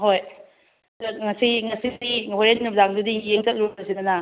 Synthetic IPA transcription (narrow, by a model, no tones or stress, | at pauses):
ɦoj | dɐŋɐsiŋɐsidiɦoɾennuzaŋdudijeŋt͡ʃɐk̚luɐsidɐnɐ